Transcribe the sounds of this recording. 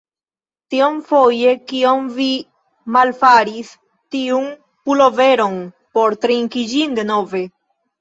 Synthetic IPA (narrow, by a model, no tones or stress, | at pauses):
tiomfo̞je̞kiomvi | malfaɾis | tiun | pulo̞ve̞ɾo̞n | po̞ɾt̪ɾiŋkid͡ʒinde̞no̞ve̞